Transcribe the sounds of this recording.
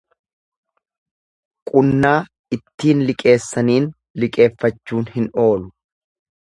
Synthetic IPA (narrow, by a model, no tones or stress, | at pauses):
kʼʊnːaː | ɪt̪ːiːnlɪkʼe̞ːsːɐniːn | lɪkʼe̞ːfːɐt͡ʃːuːnhɪno̞ːlʊ